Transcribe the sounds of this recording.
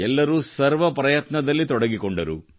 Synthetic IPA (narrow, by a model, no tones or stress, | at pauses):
ɛlːɐɾusɐɾʋɐpɾɐjɐt̪nɐd̪ɐlːit̪ɔɽɐɡikɔɳɖɐɾṵ